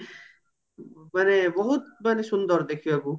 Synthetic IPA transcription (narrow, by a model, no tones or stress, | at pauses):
manebɔɦut̪̚manesund̪ɔɾd̪ekʰioɛbu